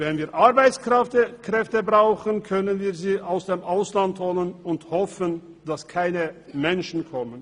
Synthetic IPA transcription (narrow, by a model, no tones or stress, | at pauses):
vɛnviːɐʔaɐbaɪt͡skɛtəkʁ̥ɛftəbʁaʊxən̩kʰœnənviːɐziːʔaʊsd̥eːmʔaʊslanthɔlənʊnthɔfən | d̥askʰaɪnəmɛnʃn̩kʰɔmən